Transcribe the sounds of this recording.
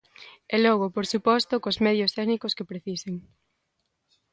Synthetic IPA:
elɔɣ̞opoɾsupɔst̪okozmɛðjost̪ɛɣnikoskepɾeθiseŋ

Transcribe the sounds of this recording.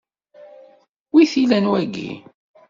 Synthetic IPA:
wiθilænwæɡːḭ

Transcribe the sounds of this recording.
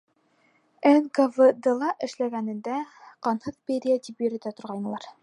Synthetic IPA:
ænɡavɤd̪ɤ̆lˠɑʔɘ̆ʃlæɡænɘ̆nd̪æqɑnhɤðpʲeɾʲijat̪ipjɵ̆ɾɘ̆nd̪æt̪ŏɾʁɑjnɤ̆lˠɑɾ

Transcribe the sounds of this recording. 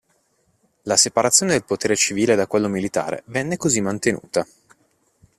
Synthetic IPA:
lasepaɾat̪sjoned̪elpot̪eːɾet͡ʃiviːled̪akwelːomilit̪a̰ːɾḛvɛnːekozimːant̪enṵːt̪a

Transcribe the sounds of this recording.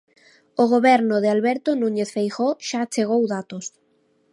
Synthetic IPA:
oɣoβɛɾnʊðɪalβɛɾt̪onuɲeθfejxoʃat͡ʃeɣ̞owðat̪os

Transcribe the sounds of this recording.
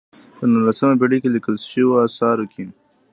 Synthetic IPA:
pənulːasəmabiɽikelikəlʃiwasɑɾukʰin

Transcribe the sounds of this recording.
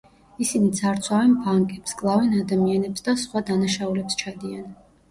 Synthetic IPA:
isinit̪sʰaɾt̪sʰwavɛnbaŋkʼɛpskʼlˠavɛnad̪amianɛpsd̪asχwad̪anaʃaulɛpst͡ʃʰad̪ian

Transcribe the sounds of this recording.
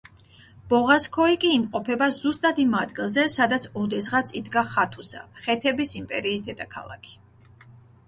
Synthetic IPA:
b̥ɔʁaskʰɔikʼiːmqʼɔpʰɛbazust̪ʼad̪imad̪ɡilˠzɛsad̪at̪sʰɔd̪ɛzʁat̪sʰʼid̪ɡaχat̪ʰusa̰χɛt̪ʰɛbisimpʼɛ̰ɾiːsd̪ɛd̪akʰa̰lˠa̰kʰi̥

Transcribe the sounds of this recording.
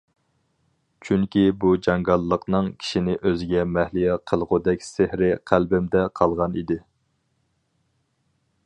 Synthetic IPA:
t͡ʃʰyŋkʲibud͡ʒɑŋɡɑlˠːəqnɨŋkʲʰi̥ʃinɪʔøzɪɡʲɛmɛhlijɛqʰəlˠʁʊd̪ɛk̚ʲsɪhɾɪqʰælbɪmd̪ɛqʰɑlˠʁɑnḭd̪ɪ

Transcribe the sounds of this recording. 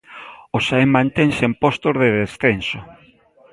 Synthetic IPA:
osaemːãnt̪eŋsempost̪ozðeðesθenso

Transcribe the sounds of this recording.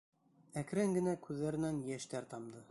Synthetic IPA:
æk̆ɾɘŋɡɘ̆nækʉðːæɾɘ̆nænjæʃt̪æɾt̪ɑmd̪ɤ

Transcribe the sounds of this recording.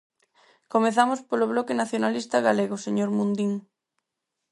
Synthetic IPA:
komeθamospoloβ̞lɔkenaθjonalist̪aɣaleɣoseɲoɾmũnd̪iŋ

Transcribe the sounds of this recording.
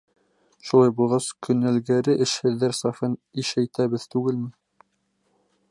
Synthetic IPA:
ʃulˠɑjbulˠʁɑskʰɵ̆nælɡæɾɘʔɘ̆ʃhɘ̆ðːæɾsɑfɤniʃæjt̪æβɘðt̪ʉɡɘlmɘ

